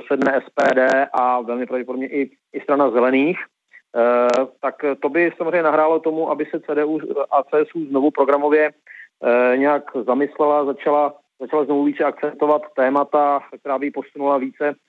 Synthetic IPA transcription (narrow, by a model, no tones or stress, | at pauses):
sɛdnɛːʔɛspɛːdɛːʔavɛlmɪpoɾavɟɛpodobɲɛʔɪ | ɪst̪ɾanazɛlɛniːx | t̪akt̪o̞bɪsamozr̝ɛɲɛnaɦɾaːlo̞t̪o̞muʔabɪsɛt͡sɛːdɛːuːʔat͡sɛːɛsuːznovupɾo̞ɡɾamo̞vjɛ | ɲɛjakzamɪslɛlazat͡ʃala | zat͡ʃalazno̞vuviːt͡sɛak̚t͡sɛpt̪ovat̪ːɛːmat̪ak̚t̪ɛɾaːbɪjɪpo̞sunulaviːt͡sɛ